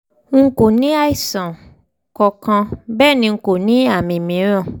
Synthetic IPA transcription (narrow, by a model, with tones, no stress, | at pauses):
ŋ̩˦ko˨nĩ˨˦a˦i˦˨sã˨ | kɔ˧kã˧bɛː˦˨nĩ˧ŋ̩˦ko˨nĩ˨˦a˦˨mĩ˨mĩ˨˦ɾ̃ã˦˨